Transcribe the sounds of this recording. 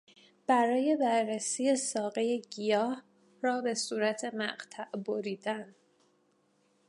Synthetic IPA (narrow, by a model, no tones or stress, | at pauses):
b̥æɾɒːje̞bæɾːesiːje̞sɒːɣe̞je̞ɟijɒːh | rɒːbe̞suːɾæt̪ʰe̞mæ̰ɢt̪ʰæʔboɾiːd̪æn